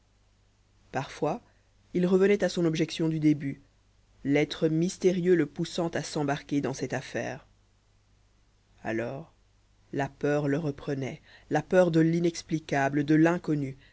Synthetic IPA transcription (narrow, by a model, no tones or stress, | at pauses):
paʁfwa | ilʁəvənɛt̪asɔ̃nɔbʒɛksjɔ̃d̪yd̪eby | lɛt̪χəmist̪eʁjøləpusɑ̃t̪asɑ̃baʁkʲed̪ɑ̃sɛt̪afɛ̰ːʁ | a̰lɔːʁ | lapœʁləʁəpχənɛlapœʁd̪əlinɛksplikabləd̪əlɛ̃kɔny